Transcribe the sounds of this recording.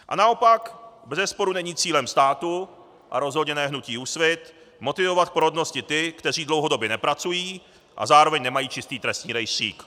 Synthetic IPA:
ʔa̰nao̞pakbɛzɛspo̞ɾunɛɲiːt͡siːlɛmst̪aːt̪u | ʔa̰ɾo̞zɦo̞dɲɛnɛːɦnuciːusvɪt̪ | mo̞t̪ɪvo̞vat̪̚poɾodno̞scɪt̪ɪkt̪ɛr̝iːdlowɦo̞do̞bjɛnɛpɾat͡sujiː | ʔa̰zaːɾo̞vɛɲnɛmajiːt͡ʃɪst̪iːt̪ɾɛst̪ɲiːɾɛjrḭːk

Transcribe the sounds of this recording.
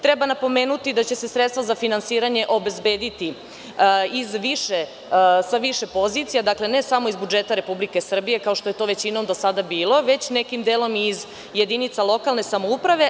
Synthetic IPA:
t̪ɾebanapo̞me̞ːnut̪id̪at͡ɕe̞se̞sɾet̪t̪vazafinansiːɾaɲe̞ʔo̞be̞zbe̞ːd̪it̪i | izʋiʃe | saʋiʃe̞po̞zit̪sijad̪akle̞ne̞samo̞izbud͡ʒeːt̪aɾe̞publike̞sr̩bije̞kao̞ʃt̪o̞je̞t̪o̞ʋe̞t͡ɕinomd̪osad̪abiːlˠo̞ʋe̞t͡ɕne̞kimd̪eːlo̞miz | jed̪init̪salˠo̞kalne̞samoupɾaʋe̞

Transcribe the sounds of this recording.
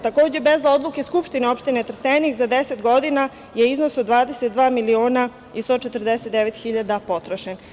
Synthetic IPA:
t̪ako̞ːd͡ʑe̞bezao̞d̪luke̞skupʃt̪ineo̞pʃt̪inet̪r̩st̪enixzad̪ese̞t̪ɡo̞d̪ina | jeizno̞sod̪d̪ʋaːd̪eset̪̚d̪ʋaːmilio̞ːna | ist̪oːt͡ʃet̪r̩d̪eset̪̚d̪eʋet̪xiʎad̪apo̞t̪ɾoʃen

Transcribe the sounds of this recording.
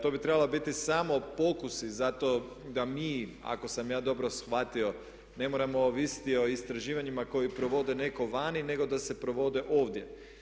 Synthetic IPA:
t̪o̞bit̪ɾe̞balobit̪isamo̞po̞kusizat̪o̞ | d̪amiː | a̰ko̞samjaːd̪o̞bɾo̞sxʋat̪io̞ | ne̞moɾamo̞ʋisi̥t̪io̞ist̪ɾaʒiːʋaɲimako̞jipɾo̞ʋo̞d̪e̞ne̞ko̞ʋaːnine̞ɡo̞d̪ase̞pɾo̞ʋo̞d̪e̞ʔo̞ːʋd̪ʲje̞

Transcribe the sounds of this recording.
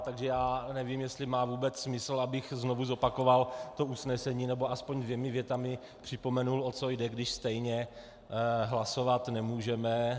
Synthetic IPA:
t̪aɡʒɛjaːnɛvimjɛst̪lɪmaːvuːbɛt͡ssmɪsl̩abɪxznovuzo̞pako̞valt̪o̞usnɛsɛɲiːnɛboaspoɲdvjɛmɪvjɛt̪amɪ | pr̥ɪpo̞mɛnulot͡sojdɛɡdɪʃst̪ɛjɲɛ | ɦlaso̞vat̪nɛmuːʒɛmɛ

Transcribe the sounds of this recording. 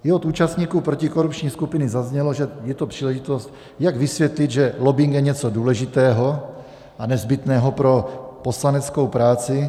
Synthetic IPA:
ɪot̪uːt͡ʃast̪ɲiːkuːpɾo̞cɪko̞ɾupt͡ʃɲiːskupɪnɪzazɲɛloʒɛjɛt̪o̞pr̥iːlɛʒɪt̪o̞st̪ | jaɡvɪsvjɛt̪lɪd̪ʒɛlobɪŋkjɛɲɛt͡soduːlɛʒɪt̪ɛːɦo̞ | ʔanɛzbɪt̪nɛːɦo̞pɾo̞po̞slanɛt͡sko̞wpɾaːt͡sɪ

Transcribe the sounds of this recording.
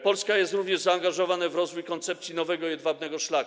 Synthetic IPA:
pɔlskajɛst̪ɾuvɲɛʐzaːŋɡaʐɔvanɛvɾɔzvujkɔnt̪sɛpt̪sʲjinɔvɛɡɔjɛd̪vabnɛɡɔʂlak

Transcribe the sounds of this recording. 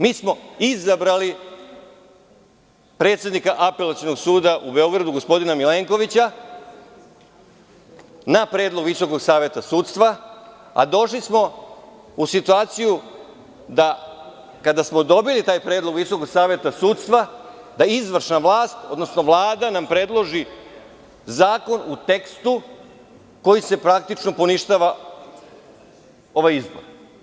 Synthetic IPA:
miːsmo̞izabɾali | pɾe̞ːt̪sje̞d̪nikaʔape̞lat̪siono̞ɡsuːd̪aʔube̞o̞ɡɾad̪uɡo̞spo̞d̪inamile̞ːŋko̞ʋit͡ɕa | napɾe̞ːd̪lˠo̞ɡʋiso̞ko̞ɡsaːʋje̞t̪asuːt̪st̪ʋa | a̰d̪o̞ʃlismo̞ | usit̪uaːt̪siju | d̪a | kad̪asmo̞d̪o̞bilit̪aːjpɾeːd̪lˠo̞ɡʋiso̞koɡsaːʋje̞t̪asuːt̪st̪ʋa | d̪aizʋr̩ʃnaʋlaːst̪o̞d̪nosnoʋlˠaːd̪anampɾe̞d̪lˠo̞ʒi | zaːko̞nut̪e̞kst̪u | ko̞jise̞pɾak̚t̪it͡ʃnopo̞niʃt̪aʋa | oʋajizbo̰ɾ

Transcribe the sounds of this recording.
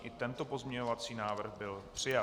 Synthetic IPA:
ʔɪt̪ɛnt̪o̞po̞zmɲɛɲovat͡siːnaːvr̩ɣbɪlpr̝̥ɪja

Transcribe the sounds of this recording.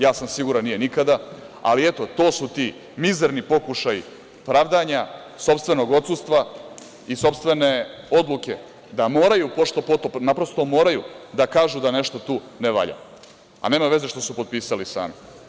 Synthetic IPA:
jaːsamsiɡuɾanːije̞nikad̪a | a̰liet̪o̞t̪o̞ːsut̪i | mizeɾnipo̞kuʃajḭ | pɾaːʋd̪aɲa | so̞pst̪ʋe̞no̞ɡo̞t̪sust̪ʋa | iso̞pst̪ʋe̞ne̞o̞d̪lˠuke̞ | d̪amoːɾajupo̞ʃt̪o̞pot̪opnapɾo̞st̪o̞mo̞ːɾajud̪akaːʒud̪ane̞ʃt̪o̞t̪uː | neʋa̰ʎa̰ | a̰ne̞ːmaʋe̞ze̞ʃt̪o̞supo̞t̪̚piːsalisa̰ːmi

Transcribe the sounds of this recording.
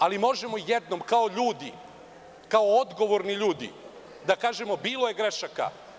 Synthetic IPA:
alimo̞ʒe̞mo̞jed̪no̞mkao̞ʎuːd̪ḭ | kaood̪ɡo̞ʋo̞ɾniʎuːd̪ḭ | d̪akaːʒe̞mo̞biːlo̞je̞ɡɾe̞ʃaka̰

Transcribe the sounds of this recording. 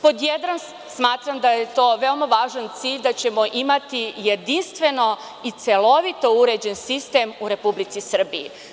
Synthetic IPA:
po̞d̪jed̪ɾam | smaːt̪ɾamd̪ajet̪o̞ːʋeo̞maʋaːʒant̪siːʎd̪at͡ɕe̞mo̞ʔimat̪ije̞d̪inst̪ʋe̞no̞ | it̪se̞lo̞ʋit̪o̞uɾed͡ʑensist̪eːmuɾe̞publit̪sisr̩bḭḭ

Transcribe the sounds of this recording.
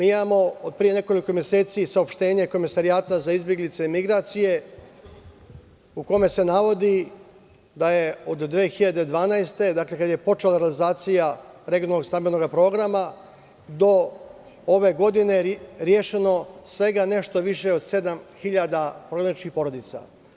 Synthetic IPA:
miːimamo̞od̪̚pɾije̞ne̞ko̞liko̞mje̞se̞ːt̪sisaopʃt̪e̞ːɲe̞ko̞misaɾiaːt̪azaizbje̞ɡlit̪se̞imiɡɾaːt̪sije̞ | uko̞me̞se̞naʋo̞d̪i | d̪aje̞o̞d̪ːʋeːxiʎad̪ed̪ʋaːnajst̪e̞d̪akle̞kad̪je̞po̞t͡ʃelaɾealizaːt̪sijaɾeɡijonalnːost̪ambeno̞ɡapɾo̞ɡɾama | d̪o̞ | oʋe̞ɡo̞d̪ine̞ɾje̞ʃe̞no̞sʋe̞ɡane̞ʃt̪o̞ʋiʃe̞o̞d̪se̞d̪amxiʎad̪apɾoɡɾanit͡ʃkixpo̞ɾo̞d̪it̪sa̰

